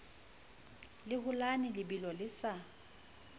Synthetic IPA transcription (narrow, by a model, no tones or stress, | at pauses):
lɪhʊlanɪlɪbilɔlɪsa